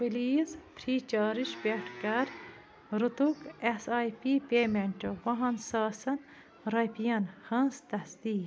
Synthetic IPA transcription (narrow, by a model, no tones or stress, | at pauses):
biliːzpʰɾiːt͡ʃaːɾiʃpʲeʈʰkɐɾ | ɾut̪ukesaːjpiːpeːmeɳʲʈoʋɐɦɐnsaːsɐn | ɾɐpijɐnhɐ̃nst̪ɐsd̪iː